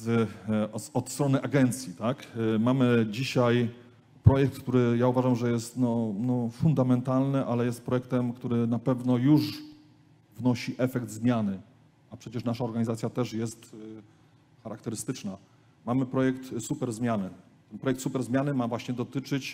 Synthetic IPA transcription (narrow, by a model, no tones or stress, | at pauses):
ɔt̪st̪ɾɔnɘʔaɡɛnt̪sʲjit̪akmamɘd͡ʑiɕaj | pɾɔjɛk̚t̪kt̪uɾɘjauvaʐamʐɛjɛst̪nɔnɔfund̪amɛnt̪alnɘʔalɛjɛst̪̚pɾɔjɛk̚t̪ɛmkt̪uɾɘnapɛvnɔjuʐ | vnɔɕiʔɛfɛɡd̪zmʲjanɘ | apʂɛt͡ɕɛʂnaʂaɔɾɡaɲizat̪sʲjat̪ɛʂjɛst̪ | xaɾakt̪ɛɾɘst̪ɘt͡ʂna | mamɘpɾɔjɛkt̪supɛɾzmʲjanɘ | t̪ɛnpɾɔjɛkt̪supɛɾzmʲjanɘmavwaɕɲɛd̪ɔt̪ɘt͡ʂɘt͡ɕ